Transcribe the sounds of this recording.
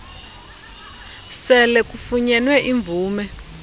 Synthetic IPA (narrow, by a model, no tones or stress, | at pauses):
sɛlɛkufuɲɛnwɛʔiɱvuːmɛ